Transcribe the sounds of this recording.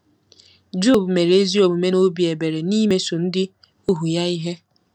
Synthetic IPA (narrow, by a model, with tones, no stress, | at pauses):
d͡ʒo˦˨bu˨me˨ɾe˦zi˦o˨bu˨me˦no˦bi˨e˨be˨ɾe˨ni˦me˦so˨n̩˦dɪ˦ | u˦ɦu˨ja˦i˦ɦe˦